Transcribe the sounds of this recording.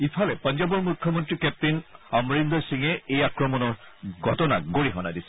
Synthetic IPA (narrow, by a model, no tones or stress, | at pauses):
ipʰalɛpɔnzɔbɔɹmukʰːjɔmɔntɹikɛp̚tinɔmɹind̪ɔsiŋɛejakɹɔmɔnɔɹɡʱɔtɔna̰ɡoɹiɦɔnadisɛ̥